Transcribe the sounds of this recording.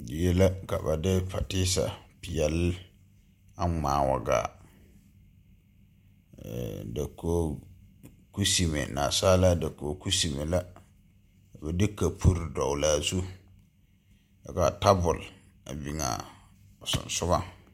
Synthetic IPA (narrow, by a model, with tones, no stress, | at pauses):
dɪ˨je˦la˦ka˨ba˨dɪ˦pa˨tɪː˦sa̰˨pɪ˨jɛ˨l | a˦ŋ͡maː˨wa̰˨ɡa̰ː˨ | ɛ̰˨da˨koː˦ | ku˦si˨mḛ˨na̰˨saː˦la˦da˨ko˨˦ku˦si˨me˨la˦ | ka˨ba˨dɪ˦ka˨pʰu˦ɾdɔ˨wla˨˦˨zu˦ | a̰˨ɡa˨ta˦bʊ˨l | a̰˨bi˨ŋa̰˨ | sʊ̰̃˨n˨sʊ˦ba˦